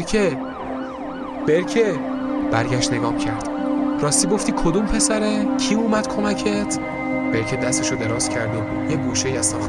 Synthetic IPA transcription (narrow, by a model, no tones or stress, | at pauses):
kʰe | b̥eɾcʰeb̥æɾɟæʃt̪ne̞ɡɒːmcʰæɾd̪̥rɒːst̪iːɡo̞ft̪iːkʰod̪uːmpʰe̞sæɾecʰiːuːmæd̪̥kʰo̞mæcʰet̪ʰ | b̥eɾcʰed̪æst̪eʃod̪e̞ɾɒːscʰæɾd̪o | jeɡuːʃeiæzt̪ɒːxt̪